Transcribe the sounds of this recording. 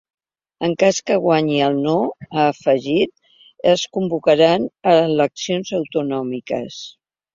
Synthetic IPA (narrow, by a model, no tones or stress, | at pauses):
əŋkaskəɣwaɲiəlˠnoaːfəʒit̪̚ | əskumbukəɾanələksionzəwt̪unɔmikə̰s